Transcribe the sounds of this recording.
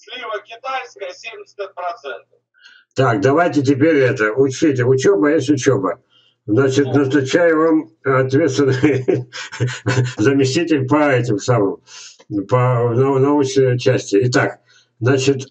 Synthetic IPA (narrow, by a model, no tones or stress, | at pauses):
slʲivəkʲɪt̪ajskəjʲemʲɪsʲpɾɐsɛnt̪ | t̪akd̪ɐvajtʲɪt̬ʲɪpʲeɾʲɛt̪əʊt͡ɕitʲɪʊt͡ɕobəjesʲtʲʊt͡ɕobə | znat͡ɕɪt̪nəst̪ʊt͡ɕæjʊvamɐt̪vʲe̞t̪st̪vɪnə | zəmʲɪsʲtʲitʲɪlʲpəɛt̬ʲɪmsamɨm | pənonovəsɪt͡ɕæsʲtʲɪɪt̪ak | znat͡ɕɪt̪